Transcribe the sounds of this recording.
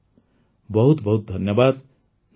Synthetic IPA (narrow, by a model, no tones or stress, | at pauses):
bʌɦut̪bʌɦut̪̚d̪ʱʌnjʌbad̪ | n